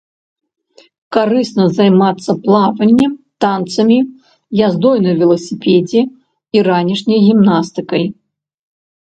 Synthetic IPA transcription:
kaɾɨsnɐzajmat̪sːɐplˠavɐnʲːɛmt̪ant̪sɐmʲi | jazd̪ɔjnɐjvʲɛlˠɐsʲipʲɛd͡zʲɛ | iɾanʲiʂnʲɐjɣʲimnast̪ɨkɐj

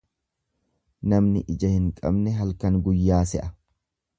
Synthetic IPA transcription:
nɐmnɪʔɪd͡ʒɐhɪŋkʼɐ̰bnɛɦɐlkɐŋɡʊjːaːsɛʔɐ

